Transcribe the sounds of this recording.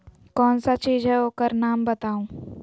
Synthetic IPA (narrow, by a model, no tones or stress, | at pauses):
kɔːnsat͡ʃiːzɦɛokəɾnaːmbɐt̪aːũː